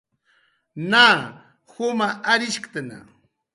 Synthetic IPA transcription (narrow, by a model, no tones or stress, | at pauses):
naː | hʊmaaɾɪʃkt̪ana̰